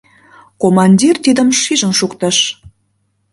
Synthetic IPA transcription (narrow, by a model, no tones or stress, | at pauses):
komɑnʲdʲirt̪id̪əmʃiʒənʃukt̪ə̆ʃ